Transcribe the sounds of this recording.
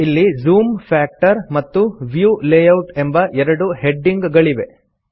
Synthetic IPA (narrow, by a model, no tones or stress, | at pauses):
ilːizuːmfaːk̚ʈɐɾmɐt̪ːuʋjuːleːjɐwʈembɐʔɛɾɐɽuheɖːiŋɡɡɐɭiʋe̞